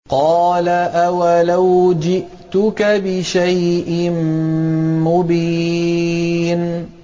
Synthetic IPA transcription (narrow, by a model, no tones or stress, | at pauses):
qɑːlaʔawalawd͡ʒɪʔt̪ʊkabɪʃajʔɪm | mʊbiː | n